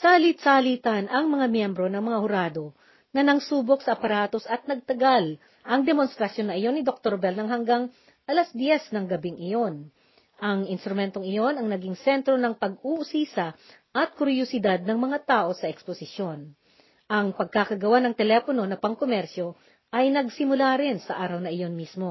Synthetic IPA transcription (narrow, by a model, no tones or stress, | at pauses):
saɐlit̪̚saɐliːt̪ɐnɐŋmɐŋamjɛmbɾo̞nɐŋmɐŋahʊɾaːd̪o̞ | nɐnɐŋsuːbo̞k̚sɐʔɐpɐɾaːt̪o̞sɐt̪̚nɐɡ̚t̪ɐɡal | ʔɐŋd̪ɛmonst̪ɾɐsjo̞nːɐʔɪjo̞nːɪd̪ok̚t̪oɾbɛlnɐŋɦɐŋɡaŋ | ʔɐlasd̪jɛsnɐŋɡɐbɪŋʔɪjo̞n | ʔɐŋɪnst̪ɾʊmɛnt̪oŋɪjo̞nɐŋnɐɡiŋsɛnt̪ɾo̞nɐŋpɐɡuʔʊsiːsɐ | ʔɐt̪̚kʊɾjosɪd̪ad̪̚nɐŋmɐŋat̪aːʔo̞sɐʔɛksposɪʃjo̞n | ʔɐŋpɐɡ̚kakɐɡɐwanɐŋt̪ɛlɛpono̞nɐpɐŋkomɛɾsjo̞ | ʔɐjnɐɡsɪmʊlaɾɪnsɐʔaːɾɐwnɐʔɪjo̞nmismo̞